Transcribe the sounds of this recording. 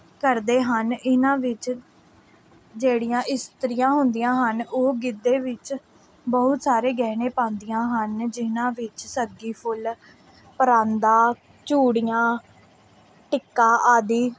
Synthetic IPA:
kəɾd̪eːɦənɪnãːʋɪt͡ʃ | d͡ʒeːɽɪjãːʔɪst̪əɾɪjãːɦʊnd̪ijãːɦənoːɡɪd̪ːeːʋɪt͡ʃ | bəɦʊt̪saːɾeːɡɛːnẽːpãːnd̪ijãːɦənd͡ʒɪnãːʋɪt͡ʃsəɡiːpʰʊl | pəɾãːnd̪aː | t͡ʃuːɽijãː | ʈɪkːaːʔaːd̪iː

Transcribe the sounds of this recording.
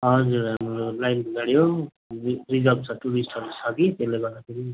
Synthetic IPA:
ɦʌd͡zurɦamɾolajnbʱʌɡaɽjo | rid͡zʌlbt͡sʰʌʈuɾisʈʰʌɾut͡sʰʌkit̪elebʌd̪akʰeɾi

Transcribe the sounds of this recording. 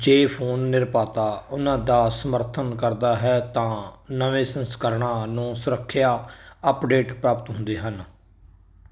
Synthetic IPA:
d͡ʒeːpʰoːnːɪɾpaːt̪aːʊnãːd̪aːsəməɾt̪ʰənkəɾd̪aːɦɛːt̪ãːnəʋẽːsənskəɾɳãːnũːsʊɾəkʰːɪjaːəpɖeːʈpɾaːpət̪ɦʊ̃nd̪eːɦən

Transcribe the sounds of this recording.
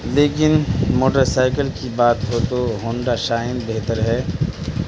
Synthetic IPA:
leːkɪnmoːʈəɾsaːɪkəlkibaːt̪ɦot̪oɦoːɳɖaʃaːɪnbeɦt̪əɾɦɛː

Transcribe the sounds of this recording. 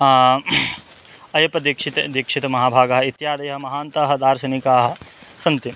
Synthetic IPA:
ɐjɐpɐd̪ikʂit̪ɐd̪ikʂit̪ɐmɐɦaːbʱaːɡɐɦɐit̪jaːd̪ɐjɐɦɐmɐɦaːnt̪ɐːɦɐ̆d̪aːɾsɐnikaːɦɐ̆sɐnt̪i

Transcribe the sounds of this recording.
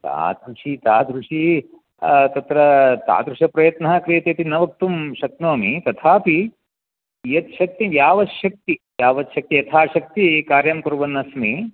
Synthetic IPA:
t̪a̰ːd̪ɾuʂit̪aːd̪ʱɾuʂi | t̪ɐt̪ɾɐt̪a̰ːd̪ɾuʂɐpɾɐjɐt̪nɐɦɐkɾijɐt̪eːt̪inɐʋɐk̚t̪umʃɐk̪̚noːmit̪ɐt̪ʰaːpi | jɐt̪ʃɐk̚t̪iʋjaːʋɐʃɐk̚t̪iʋjaːʋɐt̪ʃɐk̚t̪ijɐt̪ʰaːʃɐk̚t̪ikaːɾjɐmkuɾuʋɐnːɐsmi

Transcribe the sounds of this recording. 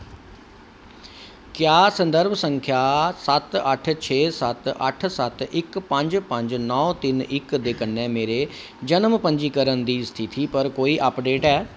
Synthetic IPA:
kjaːsə̃nd̪əɾbsəŋkʰjaːsət̪əʈʰt͡ʃʰeːsət̪ə̰ʈʰsət̪ɪkpəɲd͡ʒpə̃ɲd͡ʒnɔːt̪ɪnɪkd̪eːkənːɛːmeːɾeː | d͡ʒənmpəɲd͡ʒiːkəɾənd̪iːst̪ʰɪt̪ʰiːpəɾkoːiːʔəpɖeːʈɛː

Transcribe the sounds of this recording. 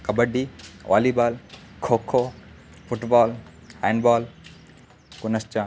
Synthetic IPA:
kɐbəɖiʋʔa̰ːlibaːl | kʰoːkʰːo | fʊʈbaːl | hɛ̃ːɳɖbaːl | kʊnəst͡ʃaː

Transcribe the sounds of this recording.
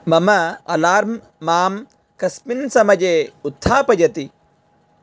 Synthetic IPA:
mɐmɐɐ̰laːɾmː | aːm | kɐspinsɐmɐd͡ʒeːut̪ʰːaːpɐjɐt̪i

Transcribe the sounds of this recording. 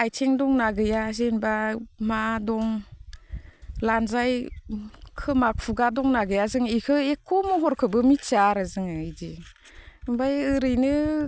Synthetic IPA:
ajtʰeŋdɔŋnaɡɯjazenbamadɔŋ | lanzaj | kʰɯmak̚pʰuɡadɔŋnaɡɯjazɯŋikʰɯekʰːumɯɦɔɾkʰɯbɯmitt͡ʃaɾazɯŋɯɯjdi | bajɯɾɯjnɯ

